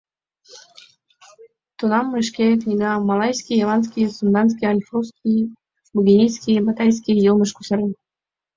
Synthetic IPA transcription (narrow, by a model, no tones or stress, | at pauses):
t̪unɑmːʃkʲeknʲiɡɑmɑlˠɑjskʲijɑlɑnskʲijsund̪ɑns̬kʲiɑlʲfruskʲʰij | buɡʲinʲiskʲijbət̪ɑjʲs̬kʲijulˠməʃkusɑɾen